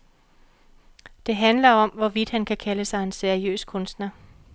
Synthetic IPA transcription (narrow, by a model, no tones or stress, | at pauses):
d̥e̝ɦænlɐɒ̽mʋɒʋid̥hænkʰækʰæləsɑ̈ɪe̝nseɐiø̰ːskʰɔ̽nsd̥nɐ